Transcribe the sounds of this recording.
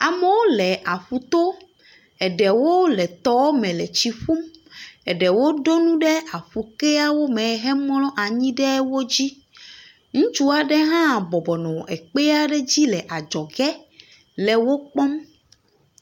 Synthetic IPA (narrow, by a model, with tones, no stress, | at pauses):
a˨mɛ˨˦wo˦lɛ˨ʔa˨ɸu˨t̪o˦ | ɛ˨ɖɛ˨wo˦lɛ˨t̪ɔ˦wmɛ̃˨lɛ˨t͡ɕi˨ɸu˦mɛ˨ɖɛ˨wo˦ɖo˦nũ˦ɖɛ˦a˨ɸu˨ke˦a˦wo˦mɛ̃˨˦ɦɛ˦mɔ̃˦lɔ̃˦ʔa˨ɲĩ˦ɖɛ˦wo˦d͡ʑi˦ | ŋũ˦t͡ʃu˦a˨ɖɛ˦ɦã˦˨bɔ˨bɔ˨nɔ̃˨ɛ˨k͡pe˦a˦ɖɛ˦d͡ʑi˦lɛ˨ʔa˨d͡ʒɔ˨ɡɛ˦ | lɛ˨wo˦k͡pɔ˦m